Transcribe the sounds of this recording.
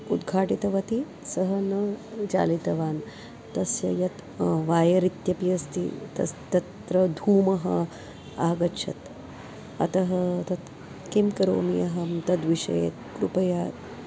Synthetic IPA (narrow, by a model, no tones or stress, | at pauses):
ud̪ɡʱaːʈit̪ɐʋɐt̪i | sɐɦɐnɐt͡ʃa̰ːlit̪ɐʋaːn | t̪ɐsjɐ̰jɐt̪ʋaːjɐɾit̪jɐpijɐst̪ḭt̪ɐ̰st̪ɐt̪ɾɐd̪ʱuːmɐɦɐ̰ | aːɡɐtʃʰɐ̰t̪ | ɐ̰t̪ɐɦɐt̪ɐt̪ | kimkɐɾo̰ːmijɐɦɐmt̪ɐd̪ʋiʃɐ̰jḛːt̪̚kɾupɐjaː